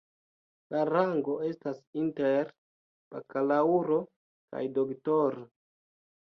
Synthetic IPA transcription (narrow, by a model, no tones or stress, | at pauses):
laɾaŋɡo̞e̞stasinteɾ | pa̰kalauɾo | ka̰jdoktoɾo